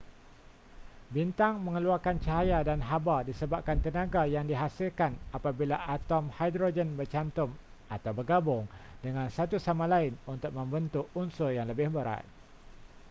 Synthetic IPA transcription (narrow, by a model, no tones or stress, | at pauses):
bint̪aŋmə̃ŋəluarkant͡ʃaɦajadanɦabadisəbap̚kant̪ənãɡajaŋdiɦasɪlkanapabilaʔat̪ɔmhajdɾod͡ʒənbərt͡ʃant̪ʊm | at̪awbərɡabʊŋdəŋãnsat̪usamãlaɪnunt̪ʊk̚mə̃mbənt̪uʔunsʊrjaŋləbɪhbəɾa̰t̪̚